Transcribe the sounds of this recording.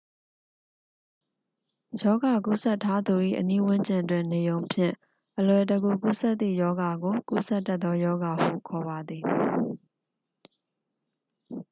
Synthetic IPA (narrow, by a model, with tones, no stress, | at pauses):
jɔ˦ɡa˨ku˦˨sɛ˦tʰːa˦d̪u˨ʔḭ˦˨ʔəni˦wʊ̃˦ɲd͡ʑɪ̃˨twɪ̃˨ne˨jõ˨ʊ̃mpʰjɪ̰̃˦˨ | ʔəlwɛ˨təɡu˨ku˦˨sɛ˦t̪ːḭ˦˨jɔ˦ɡa˨ɡo˨kṵ˦˨sɛ˦ʔtːɛ˦t̪ðɔ˦jɔ˦ɡa˨hṵ˦˨kʰɔ˨βa˨d̪ði˨